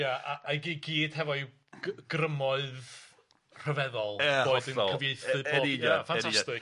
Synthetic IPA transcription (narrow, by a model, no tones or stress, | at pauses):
jaaaɡiɡiːd̥hɛvɔj | ɡɡ̥rəmɔɨð | r̥əvɛðɔlˠboːdənkəvjeɨθɨbɔːjafanʰastɪ